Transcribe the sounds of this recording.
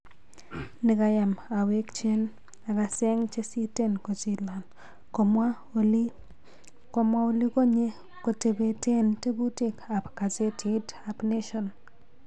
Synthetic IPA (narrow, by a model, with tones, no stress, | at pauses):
nɪ˨ka˨ja˨ma˨we˦kt͡ʃe˦n | a˨ka˨se˦ŋt͡ʃe˦si˦te˦nko˨t͡ʃi˦˨la˨n | komwa˦ | ko˦mwa˦o˨li˦ko˦ɲe˦ | ko˨te˨be˨te˦nte˦bu˦te˦ka˨pka˨se˦tʰi˦da˨pne˦ʃɔ˨n